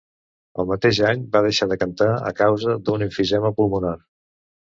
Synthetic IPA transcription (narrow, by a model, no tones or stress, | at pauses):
əlˠmət̪eʒaɲbað̞əʃaðəkənt̪aə̰kawzəd̪uniɱfiʒɛməpulˠmunar